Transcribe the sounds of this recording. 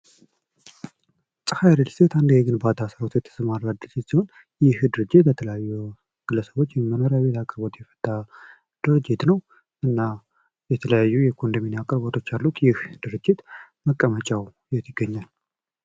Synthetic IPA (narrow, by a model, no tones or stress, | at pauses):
sʼɨfajɾəlset̪and̪heɡɨnbat̪ʰasəɾot̪ʰujɛt̪ʰːə̥səmaɾlad̪ɨɾɨd͡ʒːɪt̪siho̞n | jɪhd̪ɨɾɨd͡ʒːɪt̪bət̪ʰələjajːu | ɡ̥ɨlːəsəβo̞t͡ʃːjɛmənoɾjaβe̞t̪ʰakʼəɾbo̞t̪jɛfə̥t̪ʼːa | d̪̥ɨɾɨd͡ʒɪt̪nəw | ʔɨnːa | jɛt̪ʰələjajːujɛkʰond̪əminakʼəɾbot̪ʰo̞t͡ʃːalːut̪jɪhd̪̥ɨɾɨd͡ʒːɪt̪ | məkʼːəmət͡ʃʼaw | jɛt̪ʰɪɡːəɲːal